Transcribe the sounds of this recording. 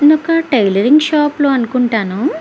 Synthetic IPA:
nɔkɐʈɐjlɐɾiŋɡʃaːploːɐnukuɳʈaːnu

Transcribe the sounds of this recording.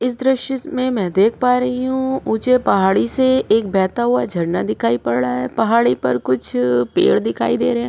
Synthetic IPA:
ɪsd̪ɾɪʃjəmẽmɛ̃ːd̪eːkʰpaːɾɐɦiɦũuːt͡ʃepɐɦaːɽiseeːk̚bɛːt̪aɦuad͡ʒʱɐɽnad̪ɪkʰaːipɐɽɽaɦɛːpɐɦaːɽipɐ̰ɾkʊt͡ʃʰpḛːɽd̪ɪkʰa̰ːid̪ḛːɾɐɦɛ̃ː

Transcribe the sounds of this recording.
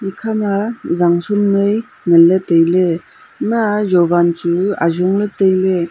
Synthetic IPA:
ikʰamazaŋsumnɯj | nɯlːɯtɯjlɯ | majɔbant͡ʃua̰zɔŋlɯtɯjle

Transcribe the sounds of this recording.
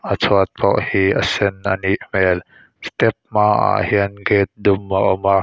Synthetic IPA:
ʔət͡sʰɔət̪̚pɔʔhiːʔasɛnʔaniʔmɛːl | st̪ɛp̚maːʔa̰ʔhiənɡeːt̪̚d̪ʊmʔaʔɔma

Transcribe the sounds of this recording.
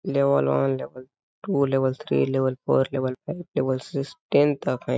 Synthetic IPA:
leʋɐlʋanleʋɐl | ʈuleʋɐlt̪ʰɾḭːleʋɐlpoːɾleʋɐlpʰaip̚leʋɐlsisʈẽnt̪akʰã

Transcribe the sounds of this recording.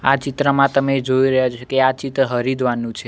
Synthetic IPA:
at͡ʃit̪ɾəmãt̪əmed͡ʒoiɾəɦjat͡ʃʰokeat͡ʃit̪ɾəɦəɾid̪ʱʋanũt͡ʃʰe

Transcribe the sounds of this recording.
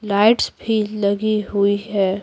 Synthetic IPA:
laːɪʈsbʱilɐɡiɦuiɦɛː

